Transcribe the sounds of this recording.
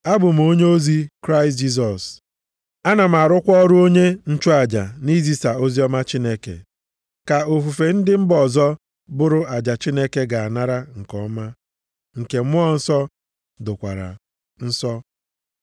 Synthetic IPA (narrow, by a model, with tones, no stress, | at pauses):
a˦bʊ˨m̩˨o˦ɲe˦o˦zi˦kɾa˦ɪ˨std͡ʒi˦s̬ɔ˨s | a˦na˨m̩˨a˨ɾʊ˦kʷɔ˦ɾʊ˦o˦ɲe˦n̩˦t͡ʃʊ˦a˨d͡ʒa̰˨ni˦zi˦sa˨o˦zi˦ɔ˦ma˦t͡ʃi˦ne˦kḛ˨ | ka˨o˨fu˨fe˨n̩˦dɪ˦m̩˦bɔ˨zɔ˦ | bʊ˦ɾʊ˦ʔa˨d͡ʒa˨t͡ʃi˦ne˦ke˦ɡa˨a˨na˦ɾa˦ŋ̩˨kɔ˦ma˦ | ŋ̩˨ke˨˦mʊ˦ɔ˦n̩˦sɔ˦ | dʊ˨kʷa̰˨ɾa̰˨ | n̩˦sɔ˦